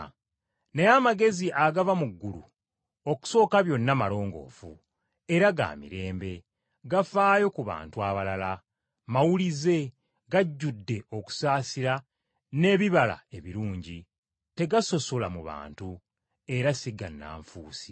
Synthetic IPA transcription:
nejamaɡe̞ziʔaɡavamuɡːulṵ | o̞ku̥so̞ːkaβjo̞nːamalo̞ːŋɡo̞̰ːfṵ | e̞ɾaɡa̰ːmḭɾe̞ːmbe̞ | ɡafaːjo̞kuβa̰ːntuaβalala | mawulize̞ | ɡaɟːudːe̞ʔo̞ku̥saːsiɾa | ne̞ːβiβala̰e̞βiɾuːɲɟi | te̞ɡaso̞solamuβa̰ːntu | e̞ɾasiɡanːa̰ːɱfuːsi̥

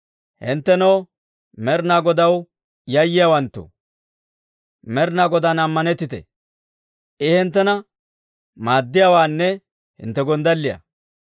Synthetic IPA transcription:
hɪ̰nt̪ːɛnɔw | mɛɾnaːɡɔd̪ɐw | jɐjːɪjaːwɐnt̪ːo̰ | mɛɾnaːɡɔd̪anɐmːɐnɛt̪ːɪt̪ɛ̰ | ʔɪhɪnt̪ːɛnɐ | maːd̪ːɪjaːwaːnːɛ | hɪ̰nt̪ːɛɡɔnd̪ɐlːɪjɐ̰

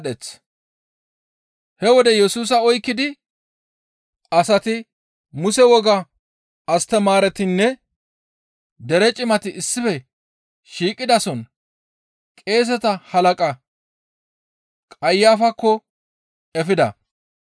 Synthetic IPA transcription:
ɗɛt͡s | hɛwɔd̪ɛjɛsuːs̬ɐɔjkːɪd̪ɪ | ɐsɐt̪ɪ | mʊsɛwɔɡɐ | ɐst̪ɛmaːɾɛt̪ɪnːɛ | d̪ɛɾɛt͡ʃʼɪmɐt̪ɪʔɪsːɪfɛ | ʃiːkʼɪd̪ɐsɔn | kʼe̞ːs̬ɛt̪ɐhɐlɐkʼɐ | kʼɐjːaːfɐkːɔ | ɛfɪd̪ɐ̰

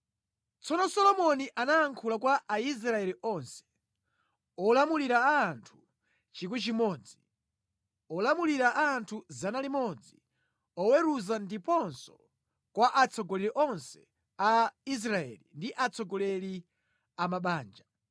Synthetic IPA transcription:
t͡sɔnɔsɔlɔmɔniʔanaːŋkʰulakwaʔais̬ɾaɛliʔɔnsɛ̥ | ɔlamuliɾaːntʰu̥ | t͡ʃik̬wɛt͡ʃimɔːd͡zi | ɔlamuliɾaʔaːntʰuzanalimɔd͡zi | ɔwɛɾuzandipɔnsɔ̥ | kwaʔat͡sʰɔɡɔlɛɾiʔɔnsɛ̥ | ais̬ɾaɛ̰lindiʔat͡sʰɔɡɔlɛli | amaɓaːnd͡ʒa

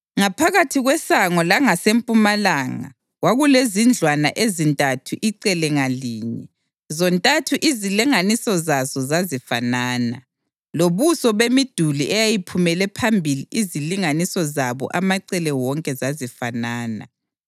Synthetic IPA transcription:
ŋapʰaɣatʰiɣwɛsaŋɔlaŋasempʼumalaːŋa̰ | ɣwaɣulezind͡ɮʱwana̰ʔezintʼatʰuʔiǀɛlɛŋaliːɲɛ̰ | zɔntʼatʰuʔiziliŋanisɔzazɔzazifanaːna̰ | loβusɔβemid̥ʱuliʔɛjajipʰumɛlɛpʰambʱiliʔiziliŋanisɔzaβɔ̰ʔamaǀɛlɛwɔŋkʼɛzazifanaːna̰

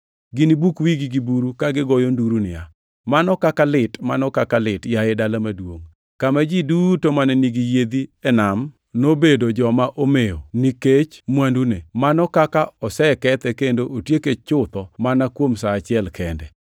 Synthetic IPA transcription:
ɡɪnibukwiɡiɡibuɾukaɡɪɡɔjonduɾunɪja | manɔkakalɪtmanɔkakalɪtjaɛdalamadwoŋ | kamad͡ʒidutomanɛniɡijed̪iɛnam | nobedod͡ʒɔmaʔomejo̰niket͡ʃmwandunemanɔkakaɔsɛkɛt̪ɛkendoʔotjeket͡ʃʊt̪ɔmanakwomsaːt͡ʃɪɛlkʰɛndɛ

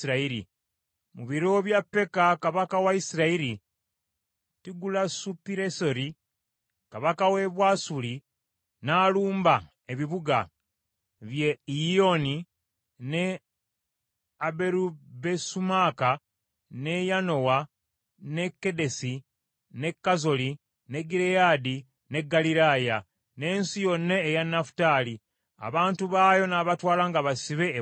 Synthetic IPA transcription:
iɾaiɾḭ | muβiɾo̞βjapːe̞kakaβakawaisiɾaiɾi | tiɡulasupiɾeso̞ɾi | kaβakawe̞βwasuli | naːluːmba | eβiβuɡa̰ | βjeo̞ni | ne | abe̞ɾube̞sumaka | ne̞jano̞wa | ne̞kːe̞de̞si | ne̞kːazo̞li | ne̞ɡiɾejaːdi | ne̞ɡːaliɾaːja | ne̞ːnsijo̞nːe̞ːjanːafu̥taːli | a̰βaːntuβaːjo̞naβatwaːlaŋɡaβasiβe̞ː

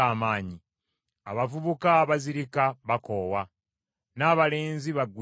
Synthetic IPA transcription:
aːmaːɲi | a̰βavuβukaːβaziɾikaβako̞ːwa | naːβale̞ːnziβaɡu

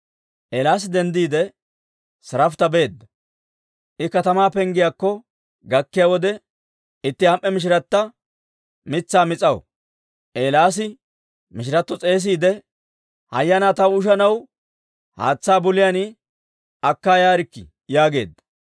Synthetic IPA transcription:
ʔeːlaːs̬ɪd̪ɛnd̪iːd̪ɛ | sɐɾɐft̪ɐbe̞ːd̪ːɐ | ʔɪkɐt̪ɐmaːpɛŋɡɪjaːkːɔ | ɡɐkːɪjaːwɔd̪ɛ | ɪt̪ːɪhɐmʔɛmɪʃ̬ɪɾɐt̪ːɐ | mɪt͡sːaːmɪt͡sʼɐwɔ̰ | ʔeːlaːs̬ɪ | mɪʃ̬ɪɾɐt̪ːɔt͡sʼe̞ːs̬iːd̪ɛ | hɐ̰jːɐnaːt̪ɐwʊʃ̬ɐnɐw | ha̰ːt͡sːaːbʊlɪjanɪ | ɐkːaːjaːɾɪkːɪ̰ | jaːɡe̞̰ːd̪ːɐ̥

